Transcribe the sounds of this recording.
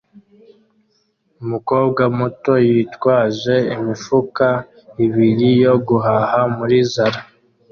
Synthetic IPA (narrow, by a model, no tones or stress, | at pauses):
umuko̞ːbɡamuto̞jitwaːʒe̞imifuka | iβiɾijo̞ɡuɦahamuɾizaɾa